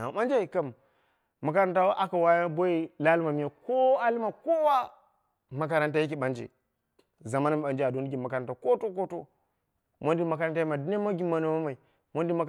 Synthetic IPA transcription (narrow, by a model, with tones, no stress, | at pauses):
a˨ɓa˦nd͡ʒe˦i˨ka˦˨m | mːa˨ka˦ɾa˦nta˦ʔa˨ka˨wa˦jbo˦i˦la˦li˦ma˨mi˨ja˨ko˦a˦li˦ma˨ko˦wa˦ | ma˨k̬a˨ɾa˦nta˦ji˦k̬i˨ɓa˦nd͡ʒḛ˨ | za˨ma˦na˦mi˨ɓa˨nd͡ʒe˦˨a˨do˦ni˦ɡi˨ma˨ka˨ɾa˦nta˦ko˦to˦k̬o˦to̰˦ | mo˦n˦di˦ma˨ka˨ɾa˦nta˦ma˨di˦ne˦ma˦ɡi˦mːa˨no˨˦ma˦ma˨i˨ | mo˦ndi˦ma˨k